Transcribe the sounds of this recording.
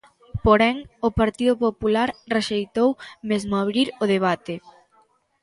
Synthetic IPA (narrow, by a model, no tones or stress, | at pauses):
poɾɛŋopaɾt̪iðʊpopulaɾreʃejt̪owmezmoaβɾiɾoð̞eβ̞at̪e